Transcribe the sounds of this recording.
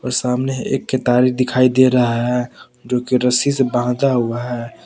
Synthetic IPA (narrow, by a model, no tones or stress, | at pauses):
ɔːɾsaːmneḛːkːet̪aːɾikd̪ɪkʰaːid̪eɾɐɦaɦɦɛ | d͡ʒoːkiɾəsisebaɦd̪aɦuaɦɛː